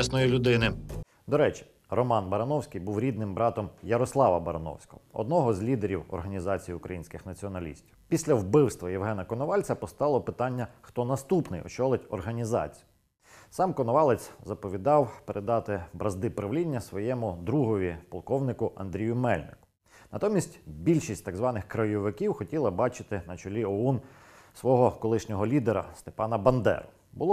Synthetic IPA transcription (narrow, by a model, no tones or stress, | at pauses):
ɛsnɔjilʲʊd̪ɪnɪ | d̪ɔɾɛt͡ʃʲi̥ | rɔmɑnbɐɾɐnɔwsʲkijbuwɾʲid̪̚nɪmbɾɑt̪ɔmjɐɾɔslˠɑʋɐbɐɾɐnɔ̰wsʲkɔ̰ɦɔɔ̰d̪nɔɦɔzʲlʲid̪eɾʲiwɔ̰rɦɐnʲizɑt͡sʲijiukɾɐ̰jinʲsʲkɪxnɐt͡sʲiɔnɐlʲḭsʲtʲiwpʲisʲlʲɐwbɪwst̪ʋɐjɛwɦɛnɐkɔnɔʋɑlʲt͡sʲɐpɔst̪ɑlˠɔpɪt̪ɑnʲːɐxt̪ɔnɐst̪upnɪjɔ̰t͡ʃɔlˠɪtʲɔrɦɐnʲizɑ̰t͡sʲi̥jʊ | sɑmkɔnɔʋɑlˠet͡sʲzɐpɔʋʲid̪ɑwpeɾʔed̪ɑt̪ɪbɾɐzd̪ɪpɾɐʋlʲinʲːɐsʋɔjɛmʊd̪ɾuɦɔʋʲipɔlˠkɔwnɪkʊʔɐ̰nd̪ɾʲijʊmɛlʲnɪ̰kʊ | nɐt̪ɔmʲisʲtʲbʲilʲʃisʲtʲt̪ɑɡzʋɑnɪxkɾɐjɔʋɪkʲiwxɔtʲilˠɐbɑt͡ʃɪ̥t̪ɪnɐt͡ʃɔlʲiɔun | sʋɔɦɔkɔlˠɪʃnʲɔɦɔlʲid̪eɾɐ̰st̪epɑnɐbɐnd̪ɛ̰ɾʊ | bʊ̰lˠɔ